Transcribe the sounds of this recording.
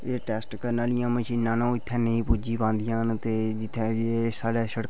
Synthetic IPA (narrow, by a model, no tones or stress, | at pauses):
eːʈɛːsʈkəɾnaːlɪjãːməʃiːnːãːnõːɪt̪ʰːɛ̃ːnəĩːpud͡ʒiːbãːnd̪ɪjãːnt̪eːd͡ʒɪt̪ʰːɛ̃ːesaːɽɛːʃəɽ